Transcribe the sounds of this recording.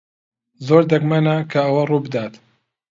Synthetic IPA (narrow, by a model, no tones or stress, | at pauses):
zoːɾd̪ɐɡmanakʰɐːwɐruːbɨd̪aːt̪